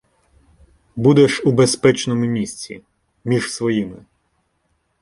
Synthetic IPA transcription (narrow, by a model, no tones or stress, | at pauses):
bud̪ɛʃubespɛt͡ʃnɔmʊmʲisʲt͡sʲḭ | mʲiʒsʋɔjimɪ